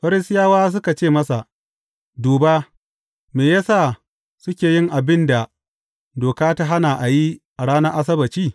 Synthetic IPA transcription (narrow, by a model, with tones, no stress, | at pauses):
ɸɐ˦ɾɪ˦sɪ˦jaː˦waː˦s̬ʊ˦ka˨t͡ʃeː˦˨mɐ˦sa˨ | duː˨baː˦ | meː˨jaː˦saː˦˨ | sʊ˦kʲeː˨jɪ˦ŋʔa˨bɪ˦nda˨ | doː˨kaː˦ta˦ɦa˦na˨ʔa˨ji˦ʔa˨ɽaː˦nɐ˦ʔa˦s̬ɐ˦bɐ˨t͡ʃiː˦˨